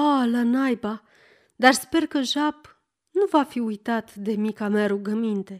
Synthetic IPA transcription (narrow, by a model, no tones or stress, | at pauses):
alanajba | d̪arspe̞rkəʒab | nuvafiujt̪at̪d̪e̞mikameaɾuɡəmint̪e̞